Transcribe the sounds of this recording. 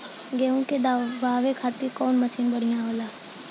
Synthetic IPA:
ɡeːɦũked̪baːʋekʰaːt̪ikɔːnməsiːnbəɽ̤ijãɦoːlaː

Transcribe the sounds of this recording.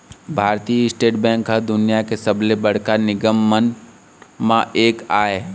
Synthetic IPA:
bʱaːɾt̪iɪsʈeːʈbɛ̃ːŋkːad̪ʊnijakesɐblebɐɽ̤kanɪɡəmːən | mãʔeːkaːeː

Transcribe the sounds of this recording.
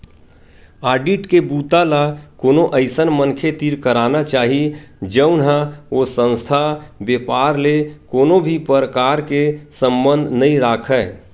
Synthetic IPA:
aːɖiʈkebuːt̪alakoːnoʔəɪsənmənkʰet̪iɾkəɾanat͡ʃaːɦid͡ʒəʊnɦaosə̃nst̪ʰabepaɾlekoːnobʱipəɾəkaɾkesə̃mbə̃nd̪ʱnəĩɾakʰəː

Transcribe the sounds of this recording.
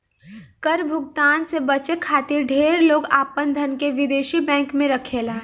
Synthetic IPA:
kəɾbʱʊɡt̪aːnsebət͡ʃekʰaːt̪ɪɾɖʱeːɾloːɡaːpənd̪ʱənkeʋɪd̪eːʃibɛ̃ːŋkmẽɾɐkʰeːlaː

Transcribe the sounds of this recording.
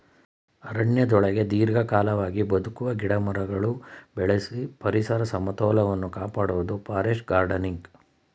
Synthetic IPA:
ɐɾɐɳjɐd̪ɔɭɐɡe̞d̪iːɾɡɐkaːlɐʋaːɡibɐd̪ukuʋɐɡiɽɐmɐɾɐɡɐɭubɛɭesipɐɾisɐɾɐsɐmɐt̪ɔːlɐʋɐnːukaːpaːɽuʋud̪upaːɾeːʂɡaːɾɖɐniŋɡ

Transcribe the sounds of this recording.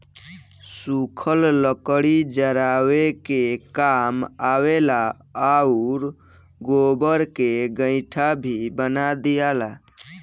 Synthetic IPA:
sukʰəlləkəɽid͡ʒəɾawekekamawela | auɾ | ɡobəɾkeɡə̃ɪ̃ʈʰabʱibənad̪ijala

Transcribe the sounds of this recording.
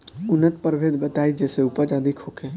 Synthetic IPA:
ʊnət̪pəɾʋʱeːd̪bət̪aːid͡ʒɛːseupət͡ʃad̪ʱikʰɦoːkʰeː

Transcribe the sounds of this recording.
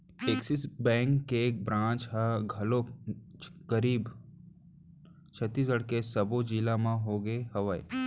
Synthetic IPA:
eksisbɛ̃ːŋkːek̚bɾãːt͡ʃɦɛɡʱɐlo | kəɾiːb | t͡ʃʰət̪ːiːs̬əɽkesɐbod͡ʒiːlamãɦoːɡəeɦɐʋaḛ

